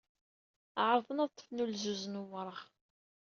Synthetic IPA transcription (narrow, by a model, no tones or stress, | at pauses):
ʕɾˤðˤənɑðt̪ˤːəfnulzuznuwəɾˤəʁ